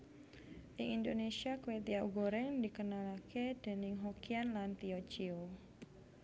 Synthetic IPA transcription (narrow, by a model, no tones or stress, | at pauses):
ʔiʔindonesiakwet̪iauɡoɾɛŋdikənalaked̥əniŋɦokianlant̪iot͡ʃio